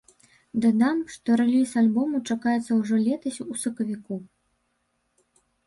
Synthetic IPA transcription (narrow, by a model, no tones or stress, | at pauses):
d̪ad̪amʂt̪ɔɾɛlʲisalʲbɔmut͡ʂakajɛt̪sːɐwʐɔlʲɛt̪ɐsʲusɐkɐvʲiku